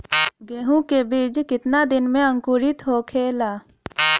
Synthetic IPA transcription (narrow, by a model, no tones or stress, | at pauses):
ɡeːɦũkebiːd͡ʒkɪt̪nad̪ɪnmẽə̃ŋkʊɾɪt̪ɦokʰeːlaː